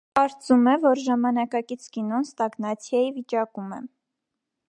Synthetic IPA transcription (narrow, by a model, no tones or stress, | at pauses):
kɑɾt͡sumɛvɔɾʒɑmɑnɑkɑkit͡sʰkinɔnst̪ɑɡnɑt͡sʰjɑjivit͡ʃɑkumɛ